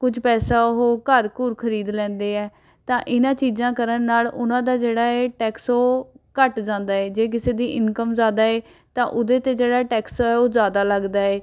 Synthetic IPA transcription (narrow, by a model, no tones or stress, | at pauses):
kʊd͡ʒpɛːsaːɦoːkəɾkʊːɾkʰəɾiːd̪lɛ̃ːnd̪eːɛː | t̪ãːʔɪnãːt͡ʃiːzãːkəɾənːaːlʊnãːd̪aːd͡ʒeːɽaːɛːʈɛːksoːkəʈd͡ʒãːnd̪aːɛːd͡ʒeːk̬ɪseːd̪iːʔɪnkəmzaːd̪aːeː | t̪ãːʔʊd̪eːt̪eːd͡ʒeːɽaːʈɛːksɛːoːzaːd̪aːləɡd̪aːeː